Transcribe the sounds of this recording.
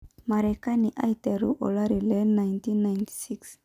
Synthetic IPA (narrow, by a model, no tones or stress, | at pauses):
maɾekaniʔajt̪eɾṵʔo̰laɾilenajnt̪inːajnt̪i̥siks